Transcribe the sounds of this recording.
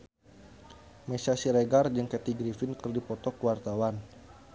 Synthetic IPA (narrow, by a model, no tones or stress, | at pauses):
mɛsasiɾeɡard͡ʒəŋkɛt̪iɡɾifinkərdipɔt̪ɔkwart̪awan